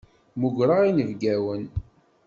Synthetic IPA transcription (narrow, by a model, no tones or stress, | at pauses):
muɡɾaʁinəvɡæwən